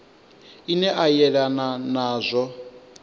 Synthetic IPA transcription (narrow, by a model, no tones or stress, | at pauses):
inɛʔajɛɺananaːzʷɔ